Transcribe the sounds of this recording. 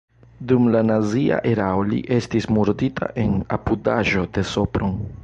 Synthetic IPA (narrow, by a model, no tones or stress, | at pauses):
dumlanazia̰ʔeɾaolḭʔe̞stismuɾditʰa̰ʔe̞na̰pudaʒo̞de̞so̞pɾon